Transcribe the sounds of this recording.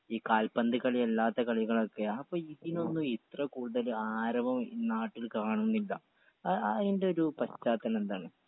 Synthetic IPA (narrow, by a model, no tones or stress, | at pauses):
iːkaːlpɐnd̪ɨkɐɭielːaːt̪ːɐkɐɭiɣɐɭo̞kːe̞ɐpːoːɭiðino̞nːuit̪rɐkuːɽuðɐlaːɾɐmɐmnaːʈːilkaːɳunːilːɐ | ɐðinde̞oɾupɐɕt͡ɕːaːt̪ːɐnend̪aːɳɨ